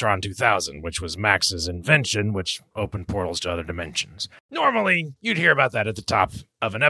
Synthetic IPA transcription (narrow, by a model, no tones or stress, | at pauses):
θɹ̥ɑ̃ntʰʉθaʊzɨ̰̃nd̚wɨt͡ʃwʌzmæksɨzɨ̃nvɛ̃nʃɨ̃nwɨt͡ʃʔoʊpə̃npʰɔɹɾl̩ˠz̥tʰəʌðə˞dɨmɛ̃nʃɨn̩z̥ | nɔɹml̩ˠijɨd̚hiɹɨbaʊt̪̚ðɨɾɨt̪̚ðɨtʰɔ̰pʌvɨ̃nɛ